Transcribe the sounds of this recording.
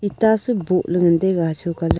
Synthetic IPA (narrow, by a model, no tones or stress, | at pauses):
it̪asəboʔləŋənd̪eɣat͡ʃʰokal